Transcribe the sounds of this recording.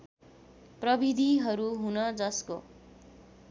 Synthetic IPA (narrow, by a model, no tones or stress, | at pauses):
prʌbʱid̪ʱiɦʌɾuɦunʌd͡zʌsko̰